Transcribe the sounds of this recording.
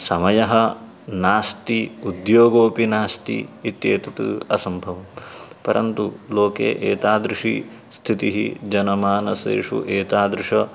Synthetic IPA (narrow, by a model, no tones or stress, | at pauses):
sɐmɐjɐɦɐ | naːst̪iud̪joːɡoːpinaːst̪ḭit̪jeːt̪it̪ṵɐsɐmbʱɐʋɐmpɐɾʔɐ̰nt̪uloːkḛːʔeːt̪aːd̪ɾiʂḭ | st̪ʰit̪iɦḭd͡ʒɐnɐmaːnɐsḛːʂṵʔeːt̪aːd̪ɾiʂɐ